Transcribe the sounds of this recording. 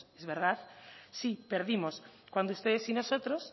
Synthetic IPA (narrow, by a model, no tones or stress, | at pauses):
ezβeɾðaðsipeɾðimoskwand̪oust̪eðesinosot̪ɾos